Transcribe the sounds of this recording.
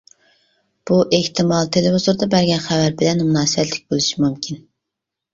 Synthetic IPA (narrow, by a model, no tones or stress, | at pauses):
b̥uʔeht̪ɪmɑlˠt̪ʰelɪvɪzuɾd̪ɑbæɾɡʲɛnχævæɾbɪlɛnmunɑːsɨbɛt̪lɪkʲbolˠuʃimumkʲʰin